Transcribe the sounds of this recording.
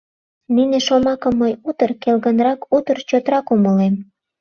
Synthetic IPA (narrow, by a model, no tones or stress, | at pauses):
nineʃomɑkəmːəjut̪ərkelɣənrɑkut̪ərt͡ɕot̪ɾɑkuməlem